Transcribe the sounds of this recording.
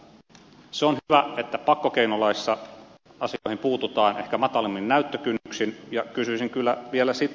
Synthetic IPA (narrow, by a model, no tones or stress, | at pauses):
seonhyʋæet̪ːæpɑkːokeinolɑisːɑ | ɑsiohimpuːt̪ut̪ɑːnehkæmɑt̪ɑlimːinnæyt̪ːøkynːyksinjɑkysysiŋkylːæʋielæsit̪